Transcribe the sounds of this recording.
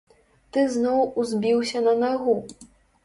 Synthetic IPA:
t̪ɨznɔwuzʲbʲiwsʲɐnɐnaɣu

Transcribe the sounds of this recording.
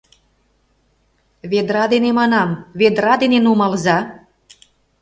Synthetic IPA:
βed̪ɾɑd̪enemɑnɑmβed̪ɾɑd̪enenumɑlzɑ

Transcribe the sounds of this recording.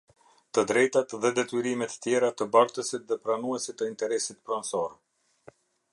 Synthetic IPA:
t̪əd̪ɾɛjt̪at̪ðɛd̪ɛt̪yɾimɛt̪ə̥t̪jɛɾat̪əbaɾt̪əsit̪̚ðɛpɾanuɛsit̪ːəint̪ɛɾɛsit̪pɾɔnsɔɾɛ

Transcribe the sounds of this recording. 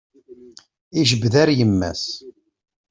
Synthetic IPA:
iʒəbðæɾjəmːæ̰s

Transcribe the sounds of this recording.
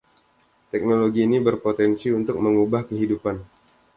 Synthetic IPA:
t̪ɛk̚noloɡiːnibərpot̪ɛnsiunt̪ʊk̚məŋubahkəɦidupan

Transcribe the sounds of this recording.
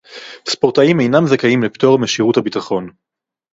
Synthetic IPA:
spo̞ʁtaime̞jnamzakajimleptoʁmeʃiʁuthabitaχo̞n

